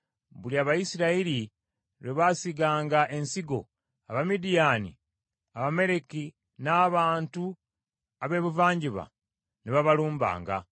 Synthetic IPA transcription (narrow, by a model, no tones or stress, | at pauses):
βuliaβajisiɾaili | ɾeβasiɡaːŋɡaʔe̞nsiɡo̞̰ | aβamidijaːnḭ | aβame̞ɾe̞ki | naːβaːntu | aβe̞ːβuvaːɲɟiβa̰ | niβaβaluːmba̰ːŋɡa̰